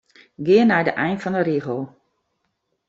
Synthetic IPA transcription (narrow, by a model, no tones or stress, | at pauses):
ɡɪənɛjdəʔɛjnfɔndəɾiɣəlˠ